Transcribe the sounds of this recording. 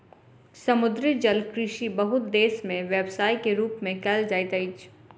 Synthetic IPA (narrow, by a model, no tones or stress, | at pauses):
sɐmʊd̪ɾid͡ʒɐlkɾɪʃibɐɦʊt̪̚d̪eːsmẽʋeːbsaːikeɾuːpmẽkɛːld͡ʒɐjt̪ɐɪt͡ʃ